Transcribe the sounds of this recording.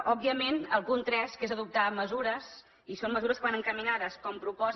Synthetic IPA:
ɔbːiəmenəlˠɣunt̪ɾɛskezəðup̚t̪aməzuɾəs | isomːəzuɾəskəβanəŋkəminaðəskɔmpɾupɔz

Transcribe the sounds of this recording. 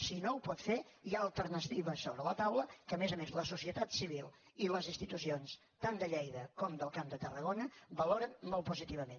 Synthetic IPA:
sinoupɔt̪fejaəlˠt̪əɾnət̪iβəsːoβɾələt̪awləkəːmezəmezləsusiət̪at̪siβ̞ilˠ | iləzinst̪it̪us̬ions | t̪and̪əʎɛjðəkɔmd̪əlˠkamd̪ət̪ərəɣonəbəloɾənmolˠpuzit̪iβəmen

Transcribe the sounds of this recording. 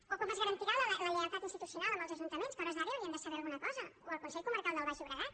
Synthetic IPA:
okoβazɣəɾənt̪iɣaəələliβəɾt̪at̪inst̪it̪usiunalˠəmbəlˠzəʒunt̪əmẽnskɔɾəzðəɾeβiənd̪əsəβɛɾɐlˠɣunəkɔzəoəlˠkunsɛʎkuməɾkalˠd̪əlˠβaʃuβɾəɣa

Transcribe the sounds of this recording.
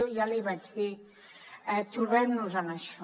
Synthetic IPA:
ojaliβad͡ʒði | ɛt̪uɾβɛmnuzənəʃɔ

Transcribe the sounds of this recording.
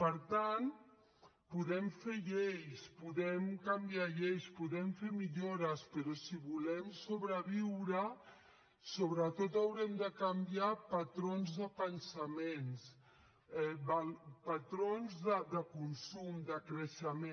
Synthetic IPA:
pəɾt̪an | puðɛmfeʎejspuðɛmkəmbiaʎejspuðɛmfeɾmiʎoɾəspəɾɔsiβulɛmsoβɾəβiwɾə | soβɾət̪ot̪əwɾɛmd̪əkəmbiapɐt̪ɾonzðəpənsəmens | ɛbəlpət̪ɾonzðəd̪əkunsumd̪əkɾəʃəme

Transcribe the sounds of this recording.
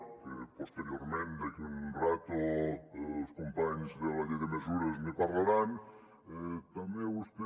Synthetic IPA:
kepost̪eɾjoɾmẽnd̪akiunrat̪o | oskompaɲzðelaʎeðemezuɾɐzmepaɾlaɾan | ɛt̪amẽust̪e

